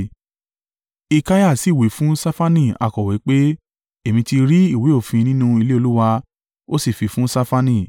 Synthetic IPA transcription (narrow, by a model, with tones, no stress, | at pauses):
i˧ka˦ja˦˨si˨we˨˦fũ˦sa˦fa˦nĩ˦˨a̰˨kɔ˨wi˨˦k͡pe˦ | e˨mĩ˧ti˧ɾi˦i˦˨we˨˦o˦˨fĩ˧nĩ˦nũ˦i˧le˦o˧lu˦wa˧ | o˦si˦˨fi˨˧fũ˦sa˦fa˦nĩ˦˨